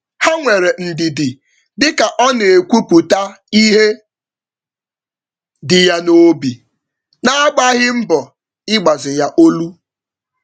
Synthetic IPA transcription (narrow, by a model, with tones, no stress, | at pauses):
ha˦ŋʷe˨ɾe˨n̩˨dɪ˨dɪ˨ | dɪ˦ka˨ʔɔ˦ne˨e˨kʷu˦pu˨ta˦ | i˦ɦe˦ | dɪ˨ja˦no˦bi˨ | na˦a˦ɡ͡ba˦ɦɪ˦m̩˦bɔ˨ | ɪ˦ɡ͡ba˨zɪ˨ja˦ʔo˦lu˦